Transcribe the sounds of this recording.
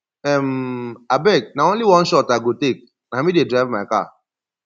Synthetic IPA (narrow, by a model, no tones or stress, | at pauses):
ɛmabɛk̚naõnliwɔ̃nʃɔtaɡotek̚ | namidedɾavmaka̰